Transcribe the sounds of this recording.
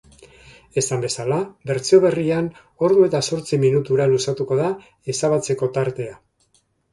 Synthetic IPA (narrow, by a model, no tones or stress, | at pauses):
e̞sambe̞salabe̞ɾt͡sio̞βe̞rian | o̞ɾðue̞t̪aso̞ɾt͡siminut̪uɾalusat̪uko̞ð̞a | e̞saβat͡se̞ko̞t̪aɾt̪e̞a